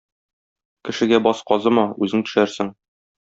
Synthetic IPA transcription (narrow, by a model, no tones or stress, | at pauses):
kɘ̆ʃɘ̆ɡæbɒsqɒzɤmɒʉzɘŋt̪ɵ̥̆ʃæɾsɘŋ